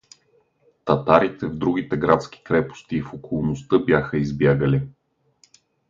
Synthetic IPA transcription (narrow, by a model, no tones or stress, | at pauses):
t̪ɐt̪aɾit̪ɛvd̪ɾuɡ̟it̪ɛɡɾat̪sk̟i̥kɾɛpo̥st̪iːfokolˠnost̪ɤbjaxəizbjaɡəli